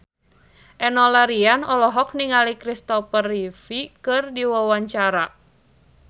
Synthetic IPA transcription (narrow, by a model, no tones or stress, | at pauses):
ʔɛnɔlaɾianɔlɔɦɔk̚niŋalikɾist̪ɔfərifikɨrdiwawaɲt͡ʃaɾa